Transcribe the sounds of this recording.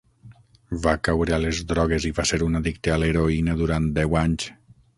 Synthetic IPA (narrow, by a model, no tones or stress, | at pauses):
vakawɾealezðɾɔɣ̞eziβaseɾunaðik̚t̪ealeɾoinəðuɾant̪d̪ɛwaɲs